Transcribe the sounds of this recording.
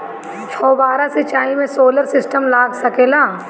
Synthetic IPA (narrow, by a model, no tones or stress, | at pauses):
t͡ʃʰɔːbaːɾasɪt͡ʃaːimẽsoːləɾsɪsʈəmlaːɡsɐkeːlaː